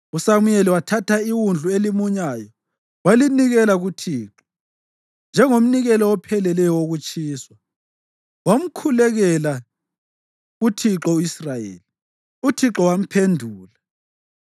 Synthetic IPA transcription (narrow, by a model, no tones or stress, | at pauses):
usamujɛliwatʰatʰaiwund͡ɮʱuelimuɲaːjɔ | waliniɣɛlaɣutʰiːǁɔ̥ | nd͡ʒʱɛŋom̩niɣɛlɔwɔpʰɛlɛlɛjɔwoɣut͡ʃʼiːswa | wom̩kʰulɛɣɛla | ɣutʰiǁɔuisrajḛːli | utʰiǁɔwam̩pʰendʱuːla